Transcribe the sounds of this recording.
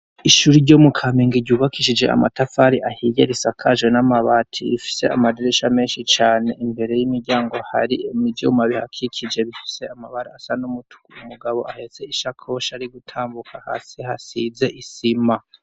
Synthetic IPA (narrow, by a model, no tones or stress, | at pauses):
iʃuːɾiɟoːmukʰaːmiːŋɡiɾɟuːβakʰiʃid͡ʒe̞a̰matafaɾiʔahijeɾisakʰaʒwenamaβatʰḭḭfi̥se̞a̰madiɾeʃameːnʃit͡ʃaːne̞ʔimbe̞ɾe̞jimiɾɟaːŋɡo̞ha̰ɾiemidjṵmaβiha̰kʰikʰid͡ʒe̞βifi̥se̞amaβaɾaasanumutʰu̥kuumuɡaβo̞ʔahe̞se̞iʃakʰo̞ʃaɾiɡutʰaːmbukʰaha̰sihasize̞ʔisima